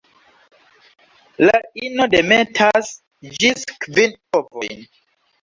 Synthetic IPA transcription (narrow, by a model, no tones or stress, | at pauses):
lainodemetʰas | d͡ʒiskvinovo̞̰jn